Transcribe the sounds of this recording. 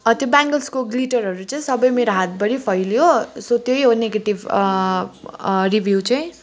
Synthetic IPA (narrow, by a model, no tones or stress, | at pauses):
ʌt̪jobaŋɡʌlskoɡliʈʌrɦʌɾut͡sʌj̃sʌbʌjmeɾoɦat̪̚bʌɾipʰʌjljosot̪jojɦoneɡeʈib | ribʱjuwt͡saj̃